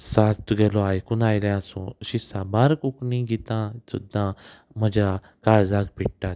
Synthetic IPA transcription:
saːst̪uɡeloaːjkunaːileãsṵ̃ʃisabaːɾkuknĩɡit̪ãːt̪ṵd̪ã | məd͡ʒa | kaːɾzaːɡpiʈːaː

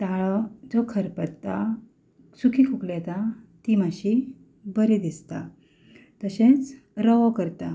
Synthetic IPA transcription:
t̪aɭɔd͡zɔkʰəɾpət̪ːa | sukʰikʰuklɛt̪at̪imaɕi | bəɾid̪ist̪a | t̪əɕẽt͡s | ɾəʋɔkəɾt̪a

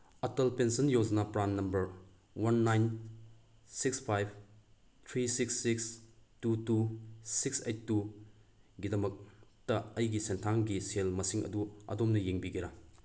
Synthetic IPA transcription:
ɐtɐlpensɐnjowd͡ʒnɐpɾanːɐmbɐɾ | wɐnːajn | sikspʰajb̚ʰʱ | tʰɾisiksːikstutusiksejtːu | ɡidɐmɐk̚tɐɐjɡisentʰaŋɡiselmɐsiŋɐ̰duɐ̰domnɐjeŋbiɡiɾɐ

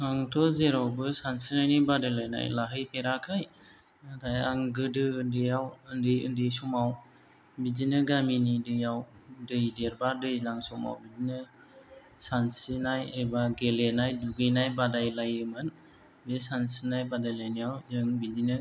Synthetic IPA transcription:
haŋtʰɔzeɾawbɯsansinajnibadalajna̰jlaɦɯjpʰeɾakʰaj | tajaŋɡɯdɯːndɯjawɯndɯjɯ̰ndɯjsumaw | bid͡ʒinɯɡaminidɯjawdɯjdeɾbadɯjlaŋsuma̰wbid͡ʒinɯ | sansinajebaɡelenajduɡɯjnajbadajlajɯmɯn | besansinajbadajlajniawzɯŋbid͡ʒinɯ

